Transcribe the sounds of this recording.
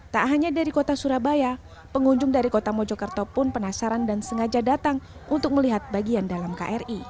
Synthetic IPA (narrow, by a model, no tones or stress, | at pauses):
t̪aʔɦaɲadaɾikot̪asuɾabaja | pəŋuɲd͡ʒʊŋdaɾikot̪amod͡ʒokərt̪opʊnpənasaɾandansəŋad͡ʒadat̪aŋ | unt̪ʊk̚məliɦat̪̚baɡiandalamka̰ʔɛri